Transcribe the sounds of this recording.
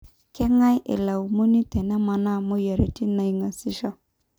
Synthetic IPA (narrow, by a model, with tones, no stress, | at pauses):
kɛ˦ŋa˦jʔɪ̰˨la˨u˨mo˦ni˦tɛ˨nɛ˦ma˨na˦˨mʊ˦jɛ˨ɾɛ˨ti˦na˨i˨ŋa˨sɪ˦ʃɔ˦